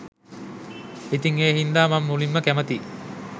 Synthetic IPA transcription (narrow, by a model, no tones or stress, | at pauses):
it̪iŋeːɦind̪aːmamːulimːəkæmət̪iː